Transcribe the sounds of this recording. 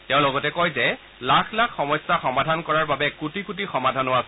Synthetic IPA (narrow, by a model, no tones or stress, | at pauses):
tɛʊ̃lɔɡɔtɛkɔjzɛ | lakʰlakʰxɔmɔjsːaxɔmadʱankɔɹaɹbabɛkutikut̬ixɔmadʱanoas